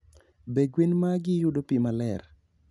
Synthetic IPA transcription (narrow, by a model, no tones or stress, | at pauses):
beɡwenmaɡɪjʊdopimalɛr